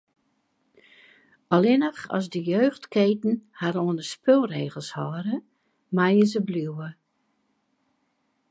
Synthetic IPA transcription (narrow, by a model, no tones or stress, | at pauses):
ɔlɪnəxɔ̰sdəjøːxtkeːtn̩haɾoənəspʰølˠreːɣəlˠshɔːɾə | majəzəbljuwə